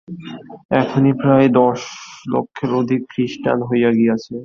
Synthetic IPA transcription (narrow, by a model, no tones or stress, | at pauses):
ɛk̪ʰonipɾaed̪ɔʃlo̰kʰːeɾod̪ʱikːɾiʃʈa̰nɦojaɡiat͡ɕʰe